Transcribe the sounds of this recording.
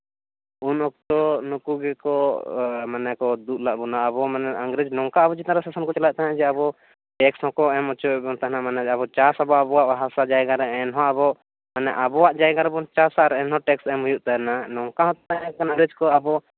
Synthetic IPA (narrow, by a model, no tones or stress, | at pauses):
unɔk̚t̪ɔnukuɡɛkɔ | manɛkɔd̪ut̪̚laʔbunaːbɔmanɛʔəŋɡɾed͡ʒnɔŋkaabɔd͡ʒit̪aɾɛsasɔnkɔt͡ʃɔlat̪aɦãd͡ʒɛabɔ | ʈɛkshɔ̃kɔɛmɔt͡ʃɔɛbɔŋt̪aɦnamanɛd͡ʒabɔt͡ʃasabɔabɔwaʔbaɦasad͡ʒajɡaɾɛɛnɦɔ̃aʔabɔ | manɛʔabɔwaʔd͡ʒajɡaɾɛbɔnt͡ʃasaʔɾɛɛnɦɔ̃ʈɛksɛmɦujuʔt̪aɦɛnanɔŋkaɦɔ̃t̪aɛkanaŋɡɾed͡ʒkɔabɔ